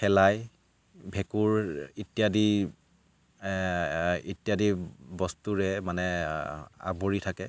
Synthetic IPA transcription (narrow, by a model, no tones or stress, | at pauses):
ɛlaj | bʱɛkuɹitijadi | itjadibɔstuɹɛmanɛ | a̰boɹitʰakɛ